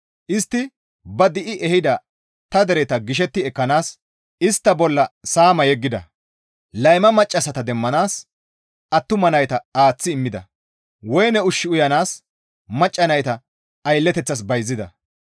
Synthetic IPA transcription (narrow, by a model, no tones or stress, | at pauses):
ʔɪst̪ːɪ | bɐd̪ɪʔɪʔɛhɪd̪ɐ | t̪ɐd̪ɛɾɛt̪ɐɡɪʃ̬ɛt̪ːɪɛkːɐnaːs | ɪst̪ːɐbɔlːɐsaːmɐjɛɡːɪd̪ɐ | lɐjmɐmɐt͡ʃʼːɐsɐt̪ɐd̪ɛmːɐnaːs | ʔɐt̪ːʊmɐnɐjt̪ɐaːt͡sːɪːmːɪd̪ɐ̰ | wɔjnɛʊʃːɪʊjɐnaːs | mɐt͡ʃʼːɐnɐjt̪ɐ | ɐjlːɛt̪ɛt͡sːɐs̬bɐjzːɪd̪ɐ̰